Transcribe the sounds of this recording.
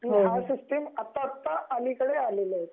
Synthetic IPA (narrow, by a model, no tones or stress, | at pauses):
iasisʈemat̪ːat̪ːaʔanikəɽealele